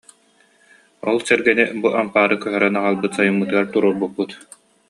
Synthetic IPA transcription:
ɔ̰lˠsɛɾɡɛnibuʔampaːɾɯkœɦœɾɛnaʁalˠbɯt̪sajumːɯt̪ɯaɾt̪uɾuɾbubːut̪

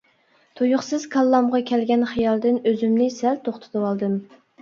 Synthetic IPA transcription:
t̪ʰujʊχsɨz̥kʰɑlˠːɑmʁɑkʲʰɛlɡʲɛnχijɑlˠd̪ɨnøzymnɪsælt̪ʰoχt̪ʰɨ̥t̪ʰɨwɑlˠd̪ɨm

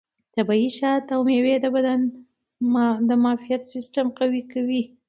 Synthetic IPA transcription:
t̪abɑiʃɑt̪awmewed̪abad̪an | md̪əmɑfijat̪sɪsʈamqawikawi

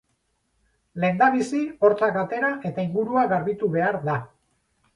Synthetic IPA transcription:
le̞nd̪aβisio̞ɾt͡sakat̪e̞ɾaʔe̞t̪aiŋɡuɾuaɣaɾβit̪uβe̞aɾða

